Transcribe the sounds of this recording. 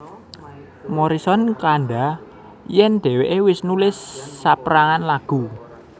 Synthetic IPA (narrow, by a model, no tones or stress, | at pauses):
mɔɾisɔnkaɳɖa | jɛnd̪̥ɛ̤weʔewɪsnulɪsːapɾaŋanlaɡ̥ṳ